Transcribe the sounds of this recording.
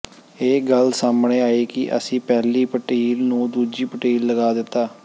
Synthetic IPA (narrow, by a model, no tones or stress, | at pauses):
eːɡəlsaːmɳeːaːeːkɪʔə̰sĩːpɛːliːpəʈiːlnũːd̪uːd͡ʒiːpəʈiːlləɡaːd̪ɪt̪ːaː